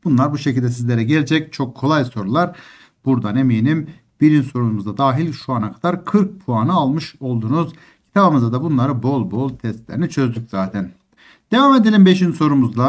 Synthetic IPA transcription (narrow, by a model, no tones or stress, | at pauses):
b̥unlˠaɾbuʃe̞cʰilʲd̪ɛs̬izlʲe̞ɾɛɟelʲed͡ʒɛc̚t͡ʃʰo̞kʰːo̞lˠajso̞ɾulˠaɾ | buɾd̪ane̞mijnim | b̥iɾinso̞ɾunmuzd̪ad̪aːɦilʲʃuanakʰad̪aɾkʰɯɾk̚pʰuanɯalˠmɯʃo̞lˠd̪uːnuz̥ | cʰi̥t̪ʰabɯmɯzad̪abunlˠaɾɯbo̞lˠbo̞lˠt̪ʰɛst̪lʲeɾinit͡ʃʰø̞zd̪ycz̥aːt̪ʰɛn | d̪̥e̞vaːme̞d̪elʲimbe̞ʃinso̞ɾumuzd̪a